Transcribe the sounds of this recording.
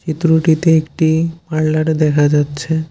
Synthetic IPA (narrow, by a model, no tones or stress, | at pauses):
t͡ʃit̪ɾuʈit̪eekʈimaɽlaʈd̪ɛkʰad͡ʑatːɕʰe